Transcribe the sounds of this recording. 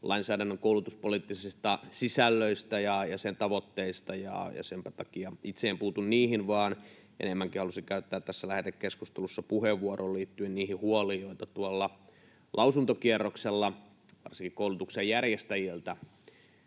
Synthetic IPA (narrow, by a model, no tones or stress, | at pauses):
lʔɑinsæːdænːøŋkoulut̪uspolit̪ːisist̪ɑsisælːøist̪æjɑjɑsent̪ɑʋot̪ːeist̪ɑjɑ̰jɑ̰sempæt̪ɑkiɑit̪seːmpuːt̪unniːhinʋɑːn | ʔḛnemːæŋkihɑlusikæyt̪ːæːt̪t̪ːæsːælæhet̪ekkeskust̪elusːɑpuheʋːuoɾolliːt̪ːyenniːhihuolioit̪ɑt̪uolːɑ | lʔɑusunt̪okierːokselːɑ | ʋɑ̰rsiŋkikoulut̪uksejjærjest̪æjilt̪æ